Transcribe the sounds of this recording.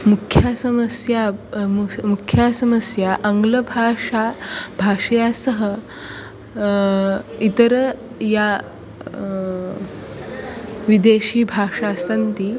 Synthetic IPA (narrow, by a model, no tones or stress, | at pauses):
mukʰjasəməsjamumukʰjasəməsjaʔəŋɡləbʱaʂabʱaʂjasəɦə | it̪əɾə | ja | ʋid̪eɕiːbʱaʂasənt̪iː